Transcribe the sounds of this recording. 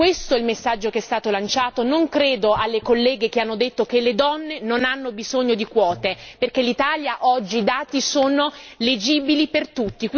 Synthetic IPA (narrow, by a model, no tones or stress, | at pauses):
kwest̪oɛlmesːad͡ʒːokeɛst̪aːt̪olant͡ʃaːt̪onoŋkɾeːd̪oalːekolːɛːɡek̟eanːod̪et̪ːokelːed̪ɔnːenonanːobizoɲːod̪ikwɔːt̪eperkelːit̪aːljaʔɔd͡ʒːid̪aːt̪isoːnoled͡ʒiːbilipert̪ut̪ːik